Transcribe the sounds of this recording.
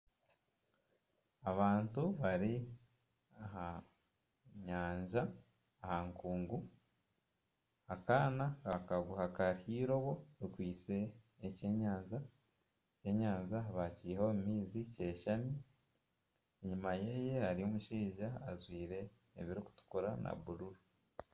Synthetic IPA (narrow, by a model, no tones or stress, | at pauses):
aβaːntuβaɾi | aɦa | ɲaːɲʒaː | haŋkuːŋɡu | akaːnakakaɡuhakaɾhiːɾo̞βo̞ɾikwiːt͡se̞ː | ce̞ːɲaːɲʒa | ce̞ɲaːɲʒaβacihomumiːzice̞ːʃami | eɲumajeːje̞haɾiomuʃiːʒaːzwiːɾe̞ː | βiɾiku̥tu̥kuɾana̰βuɾuɾu